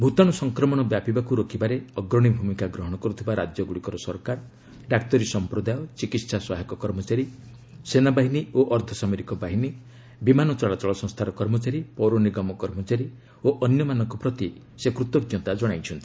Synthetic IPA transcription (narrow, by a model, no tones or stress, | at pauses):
bʱut̪ãɔsɔŋkɾɔmɔɽ̃ɔbjapibakuɾokibaɾeɔɡɾɔɽ̃ibʱumikaɡɾɔɦɔɽ̃ɔkɔɾut̪ʰibaɾad͡ʒjɔɡuɽikɔɾɔsɔɾkaɾ | ɖak̚t̪ɔɾisɔmpɾod̪ajɔt͡ʃikit̪saswaɦakɔkɔɾmɔt͡ʃaɾi | senabaɦinioʔɔɾt̪ʰɔsameɾikɔbaɦini | bimanɔt͡ʃɔɭat͡ʃɔɭɔsɔ̃ŋst̪ʰaɾɔkɔɾmɔt͡ʃaɾipɔɾoniɡɔmɔkɔɾmɔt͡ʃaɾi | oʔɔnjɔmanɔŋkɔpɾɔt̪i | sekɾut̪ɔk̪̚jɔt̪ad͡ʒɔɽ̃ajt͡ʃʰɔnt̪ʰii̥